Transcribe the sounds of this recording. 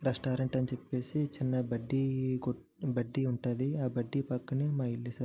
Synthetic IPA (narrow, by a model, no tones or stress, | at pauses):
ɾesʈaːɾeɳʈɐnit͡ʃepːe̞ːsit͡ʃinːɐbɐɖːiko | bɐɖːiuɳʈaːd̪iaːbɐɖːipɐkːɐneːmaːilːisɐɾ